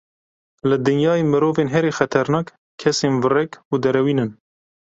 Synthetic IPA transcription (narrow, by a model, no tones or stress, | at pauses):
lɨd̪ɨnjɑːemɨɾoːveːnɦɛɾeːxɛt̪ʰɛɾnɑːk | kʰːɛseːnvɨrɛkuːd̪ɛɾɛwiːnɨn